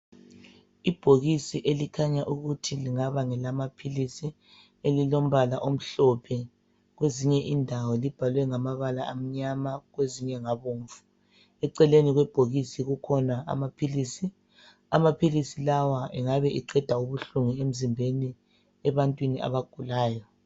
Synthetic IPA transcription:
ib̥ʱoɣisiʔelikʰaɲaʔuɣutʰiliŋaβaŋɛlamapʰilisi | elilom̩βalaʔom̩ɬɔpʰɛ | ɣweziɲɛʔindʱawɔlib̥ʱalwɛŋamaβalaːm̩ɲamaɣweziɲɛŋaβoːɱfu̥ | ɛǀɛleniɣwɛb̥ʱoɣisiɣukʰɔnaa̰mapʰilisi | amapʰilisilawaɛŋaβɛʔiǃɛd̥ʱauβuɬuŋiem̩zimbʱeni | ɛβantʼwiniʔa̰βaɡ̥ʱulaːjɔ

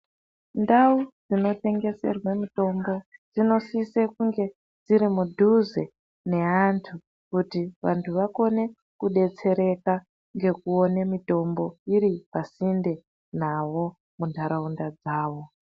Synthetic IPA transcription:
ndaud͡zino̞te̞ŋɡe̞se̞̰rwemito̞mbo̞d͡zino̞sisekuŋɡe̞ | d͡ziɾimudʱuze | ne̞antʰu | kutiʋa̰ntʰuʋako̞ne̞ | kuɗe̞t͡se̞ɾe̞ka | ŋɡe̞kuo̞nemito̞mbo̞iɾipasinde̞ | naʋo̞ | mundʱaɾaundad͡zaːʋo̞

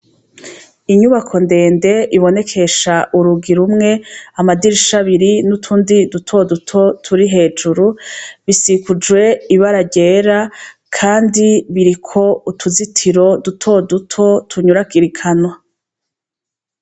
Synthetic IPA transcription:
iɲuβakʰo̞nde̞ːnde̞ʔiβo̞ne̞kʰe̞ʃaʔuɾuɡiɾumŋe̞amadiɾiʃaβiɾinutʰuːndidutʰo̞dutʰo̞tʰuɾiɦe̞ːd͡ʒuɾuβisikud͡ʒwe̞iβaɾaɟe̞ːɾa | kʰaːndiβiɾikʰo̞utʰuzitʰiɾo̞dutʰo̞dutʰo̞tʰuɲuɾakiɾikʰanwa

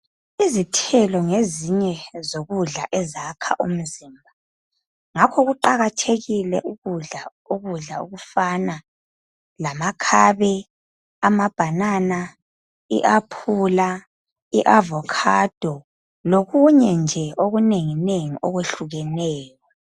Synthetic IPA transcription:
izitʰɛlɔŋeziɲɛzoɣuɮa̰ʔɛzakʰa̰ʔṵm̩ziːmbʱa | ŋakʰɔɣuǃaɣatʰeɣilɛʔuɣuɮa | uɣuɮaṵɣufana | lamakʰaːβɛ | amab̥ʱanana | ḭʔapʰula | iʔavɔkʰad̥ʱɔ | loɣuɲɛnd͡ʒʱɛoɣuneŋineŋiʔɔɣweɬuɣɛnɛːjɔ

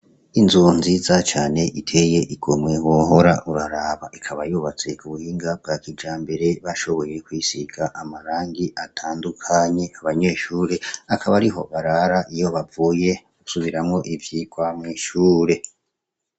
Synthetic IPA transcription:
inzunziːzat͡ʃaːne̞ʔitʰe̞je̞ʔiɡ̥omŋe̞woɦo̞ɾaʔuɾaɾaːβaʔikʰaβajuβat͡se̞kuβuhiːŋɡab̚ɡaːkid͡ʒaːmbe̞ɾe̞βaʃo̞βo̞je̞kwiːsiɡaʔamaɾaːŋɡiʔatʰaːndukʰaɲe̞aβaɲe̞ːʃuːɾe̞akʰaβaɾiɦo̞βaɾaɾaʔijo̞βavuːje̞ | usuβiɾamŋo̞ʔivjikwamŋiːʃuːɾe̞

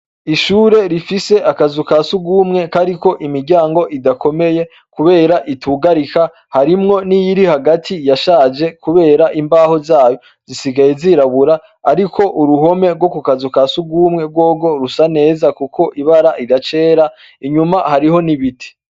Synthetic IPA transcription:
iʃuːɾe̞ɾifise̞ʔakazukasuɡuːmŋe̞kaɾiko̞ʔimiɟaːŋɡo̞ʔidako̞me̞je̞ | kuβe̞ːɾaʔitʰuɡaɾika | haɾimŋo̞nijiɾihaɡatʰijaʃaːd͡ʒe̞kuβe̞ːɾaʔimbaho̞zaːjo̞ | z̥isiɡajeziɾaβuɾa | aɾikʰo̞ʔuɾuɦo̞me̞ɾɡwo̞kukazukasuɡumŋe̞ɾɡwo̞ːɡo̞ɾusane̞ːzakukʰo̞ʔiβaɾaʔidat͡ʃe̞ːɾa | iɲumahaɾiho̞niβitʰi̥

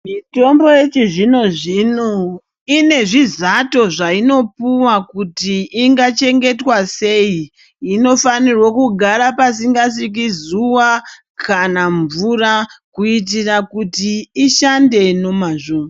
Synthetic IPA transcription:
mito̞mbo̞jet͡ʃiʐino̞ʐino̞ | ine̞ʐizato̞ʐaino̞puwakutiːŋɡat͡ʃe̞ŋɡe̞twase̞iː | no̞fanirwakuɡʱaɾapasiŋɡas̬ik̬izuwa | kʰanaɱvurakuit̬irakutiːʃande̞no̞maʐoːm

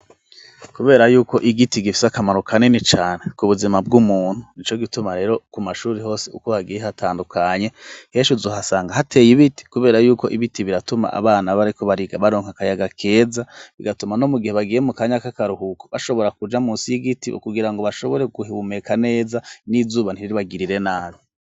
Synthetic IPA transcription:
kuβe̞ːɾajuːko̞ʔiɡitiɡifi̥sakamaɾukʰanenit͡ʃaːne̞kuβuzimab̚ɡumuːn̥hunit͡ʃo̞ɡitumaɾe̞ːɾo̞kumaʃuːɾeɦo̞ːseṵkohaɡijehatʰaːndukʰaɲe̞he̞ːʃuzoːɦasaːŋɡahatʰe̞ːjiβiti̥kuβe̞ːɾajuːko̞ʔiβitiβiɾatuma̰ʔa̰βaːnaβaɾiko̞βaɾiɡaβaɾo̞ːŋ̥hakajaɡakʰe̞ːzaβḭɡatumano̞muɡiheβaɡiːjemukaɲakakaɾuhuko̥βaʃo̞βo̞ɾakud͡ʒamuːsiiɡitiʔṵkuɡiɾaŋɡoβaʃo̞βoɾe̞ɡuhiβumekʰane̞ːzanizuːβan̥iɾiɾiβaɡiɾiɾe̞naːβo

